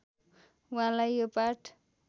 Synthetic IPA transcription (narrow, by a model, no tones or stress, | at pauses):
wʌɦãlajjopaʈʰ